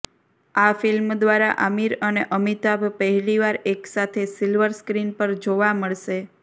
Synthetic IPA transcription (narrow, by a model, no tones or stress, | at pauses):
afilmd̪ʋaɾaʔəmiɾəneʔəmit̪abʱpəɦɛliʋaɾeksat̪ʰesilʋəɾskɾinpəɾd͡ʒoʋaməɭʃe